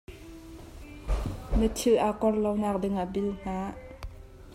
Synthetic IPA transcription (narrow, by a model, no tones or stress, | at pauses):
mətʰilʔakɔrlawnak̚dɪŋabilŋ̥aːʔ